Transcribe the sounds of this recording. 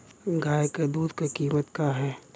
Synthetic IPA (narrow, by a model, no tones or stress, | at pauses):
ɡʱaːjked̪uːd̪kekiːmət̪kaɦɛː